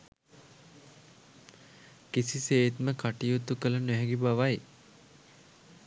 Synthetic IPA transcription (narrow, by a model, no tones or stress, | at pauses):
kisiseːt̪məkaʈijut̪ukələnœɦɛɡibaʋaj